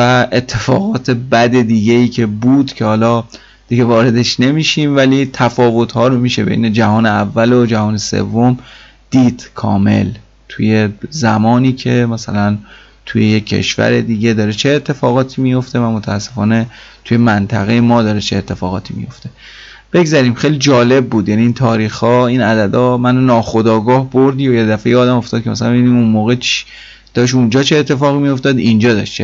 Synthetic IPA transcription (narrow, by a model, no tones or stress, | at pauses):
væʔe̞t̪ʰːe̞fɒ̰ːɣɒːt̪ʰe̞bæd̪e̞d̪iːɡeiːcʰe̞buːd̪cʰe̞hɒːlɒː | d̪̥iɡe̞vɒːɾe̞d̪eʃne̞miːʃiːmvæliːt̪ʰæfɒːvo̞t̪hɒːɾomiːʃe̞be̞̰jne̞d͡ʒæɦɒːneævːælod͡ʒæɦɒːne̞sḛvːom | d̪̥iːd̪̥kʰɒ̰ːme̞̰l | t̪ʰuje̞zæmɒːniːcʰe̞mæsæ̰læn | t̪ʰujejecʰːḛʃvæ̰ɾed̪iːɟe̞d̪ɒːɾet͡ʃʰe̞ːt̪ʰːe̞fɒːɣɒːt̪ʰiːmijo̞ft̪e̞væmo̞t̪ʰæːsːefɒːne̞ | t̪ʰuje̞mænt̪ʰæɣe̞jemɒːd̪ɒːɾet͡ʃʰeːt̪ʰːe̞fɒːɣɒːt̪ʰiːmḭjo̞̰ft̪e | b̥e̞ɡzæɾiːmxejlid͡ʒɒːle̞b̚ːuːd̪jæniiːnt̪ʰɒːɾiːxhɒːinæd̪æd̪ɒːmænonɒːxo̞d̪ɒːɡɒːhboɾd̪iːjojed̪æfejeɒːd̪æmo̞ft̪ɒːd̪̚cʰemæsælæmbiniunmoːɣet͡ʃ | d̪̥ɒːʃ̬und͡ʒɒːt͡ʃʰeːt̪ʰːe̞fɒːɣimijo̞ft̪ɒd̪ind͡ʒɒːd̪ɒ̰ʃt͡ʃʰe